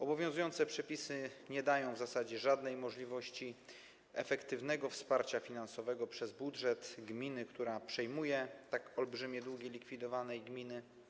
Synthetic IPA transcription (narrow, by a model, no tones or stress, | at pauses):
ɔbɔvʲjɔ̃w̃zujɔnt̪sɛpʂɛpʲisɘɲɛd̪ajɔ̃w̃vzasad͡ʑɛʐad̪nɛjmɔʐlʲivɔɕt͡ɕi | ɛ̰fɛkt̪ɘvnɛɡɔfspaɾt͡ɕafʲinansɔvɛɡɔpʂɛzbudʐɛt̪ɡmʲinɘkt̪uɾapʂɛjmujɛt̪akɔlbʐɘmʲɛd̪wuɡʲjɛlʲikfʲid̪ɔvanɛjɡmʲinɘ